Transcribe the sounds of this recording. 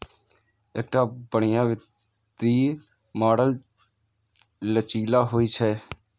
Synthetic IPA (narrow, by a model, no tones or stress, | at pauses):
ek̚ʈaːbəɳɪjãːʋɪt | t̪iː | maːɽəl | lət͡ʃiːlaːɦoːiːt͡ʃʰɛː